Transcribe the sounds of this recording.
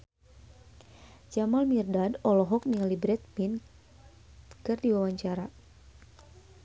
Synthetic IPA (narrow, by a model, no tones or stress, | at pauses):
d͡ʒamalmirdadɔlɔɦɔk̚nilibɾɛt̪̚pin | kɨrdiwawaɲt͡ʃaɾa